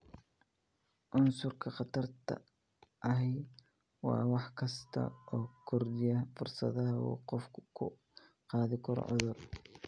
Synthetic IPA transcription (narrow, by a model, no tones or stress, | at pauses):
ʔʊnsʊrkʰɐqɑt̪ʰɐrt̪ʰɐ̰ | ʔɐɦɛj | wɑːwɑħkʰɐst̪ʰɐ̰ʔɔːkʰʊrd̪ɪjɐfʊrsɐ̰ðɐɦɐ̰qɔfkʰʊ̰ | qɑːðɪkʰɔɾ̰ʕʊðʊr